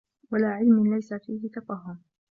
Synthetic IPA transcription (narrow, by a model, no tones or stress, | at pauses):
walaːʕɪlmɪnlajsafiːhɪt̪ɑfˤɑɦːʊm